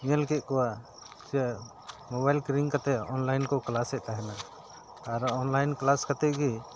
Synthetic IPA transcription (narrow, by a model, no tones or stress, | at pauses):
ĩjəlkɛʔ̚kɔwa | t͡ʃɛ | mɔβajlkɾiŋkat̪ɛɔnlajnkɔklasɛʔ̚t̪aɦɛna | aɾɔnlajnklaskat̪ɛɡi